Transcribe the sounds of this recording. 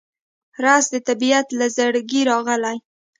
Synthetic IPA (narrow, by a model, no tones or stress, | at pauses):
ɾɑsd̪ət̪abiat̪lazaɽɡiɾɑɣəlaj